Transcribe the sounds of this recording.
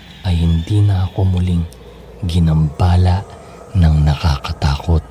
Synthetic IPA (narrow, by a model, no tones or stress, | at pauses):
ʔɐjhɪnd̪iːnɐʔɐko̞mʊliŋ | ɡɪnɐmbaːlɐʔ | nɐŋnɐka̰kɐt̪aːko̞t̪̚